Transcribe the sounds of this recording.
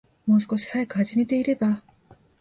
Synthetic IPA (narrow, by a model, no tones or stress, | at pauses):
mo̞ːs̬ɨ̥ko̞ɕi̥hajakɯ̟haʑime̞t̪e̞iɾe̞ba